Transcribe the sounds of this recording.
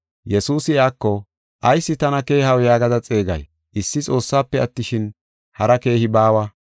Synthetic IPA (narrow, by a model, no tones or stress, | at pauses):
jɛsuːsɪaːkːɔ | ʔɐjsːɪt̪ɐnɐke̞ːhɐwjaːɡɐd̪ɐt͡sʼe̞ːɡɐ̰j | ʔɪsːɪt͡sʼo̞ːsːaːpːɛɐt̪ːɪʃɪn | hɐɾɐke̞ːhɪbaːwɐ